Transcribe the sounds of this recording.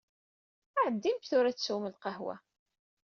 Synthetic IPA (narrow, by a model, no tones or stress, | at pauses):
æʕəd̪ːimt̪θʊɾæt͡sːsuməlqɑhwæ̰